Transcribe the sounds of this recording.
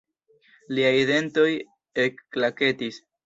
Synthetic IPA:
liajide̞nto̞j | e̞kːlake̞tis

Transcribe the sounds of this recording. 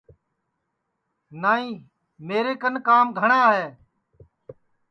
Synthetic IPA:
naːĩː | meːɾeːkənkaːmɡʱəɳãːɦeː

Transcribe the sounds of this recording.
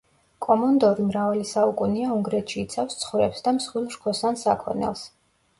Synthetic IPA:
kʼɔmɔnd̪ɔɾimɾavalisaukʼuniauŋɡɾɛt̪ʰʃiːt̪sʰafst̪sʰχvɾɛpsd̪amsχwilˠʃkʰɔsansakʰɔ̰nɛ̰lˠs

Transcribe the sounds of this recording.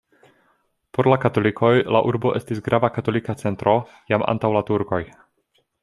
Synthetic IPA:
po̞ɾlakato̞likʰo̞jla̰ʔuɾbo̞ʔe̞stisɡɾʔavakato̞likat͡se̞ntɾo̞ | jama̰ntawlatuɾkoj

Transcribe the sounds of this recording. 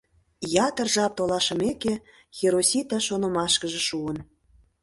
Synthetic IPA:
jɑt̪ə̆rʒɑp̚t̪olɑʃə̆meke | xeɾosʲit̪ɑʃonə̆mɑʃkə̆ʒĕʃuən

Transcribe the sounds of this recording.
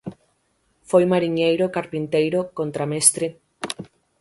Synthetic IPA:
fojmaɾiɲejɾokaɾpint̪ejɾokont̪ɾamest̪ɾe

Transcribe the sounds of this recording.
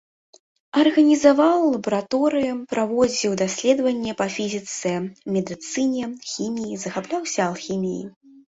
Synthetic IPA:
ɐrɣɐnʲizavawlːˠɐbɐɾat̪ɔɾɨjupɾavɔzʲiwd̪asʲlʲɛd̪vɐnʲːɛpɐfʲizʲit̪sɛmʲɛd̪ɨt̪sɨnʲɛxʲimʲijizɐxaplʲawsʲɐːlˠxʲimʲijḭ

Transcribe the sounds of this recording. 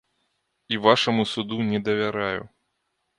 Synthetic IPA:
ivaʂɐmusud̪unʲɛd̪ɐvʲaɾajṵ

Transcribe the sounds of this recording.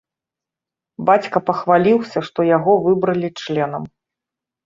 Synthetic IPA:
bat͡sʲkɐpɐxvalʲiwsʲɐʂt̪ɔjaɣɔvɨbɾɐlʲit͡ʂlʲɛnɐm

